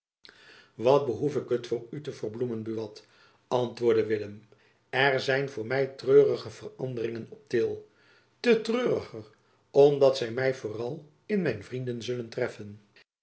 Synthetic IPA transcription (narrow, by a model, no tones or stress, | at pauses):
ʋɑt̚bəɦufɪkɦətfʊːɹytəvərblumənbyʋɑt | ɑntʋʊːɹdəʋɪləm | ɛrzɛjnvʊːɹmɛjtrøːrəχəv̥ərɑndərɪŋənɔp̚tɪlˠ | tətrøːrəχər | ɔmdɑtsɛjmɛjvʊːrɑlˠ | ɪnmɛjnvrindənzɵləntrɛfən